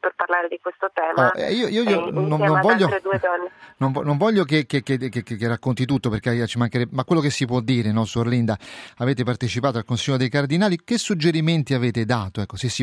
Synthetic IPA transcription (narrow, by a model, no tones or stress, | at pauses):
perparlaːɾed̪ikwest̪ot̪ɛːmɔɛ̰iːoiːoiononaːõnvɔʎːoɾed̪uːed̪ɔnːenonvɔnoɱvɔʎːokekːekːekːekːekːerːakːont̪it̪ut̪ːopeɾket͡ʃːimaŋkeɾɛbemakːwelːokesːipwɔd̪ːiːɾenɔsuorlind̪aaveːt̪epart̪et͡ʃipaːt̪oalkonsiʎːod̪ejkard̪inaːlikesːud͡ʒːeɾiment̪iaveːt̪ed̪aːt̪oɛkːosesːi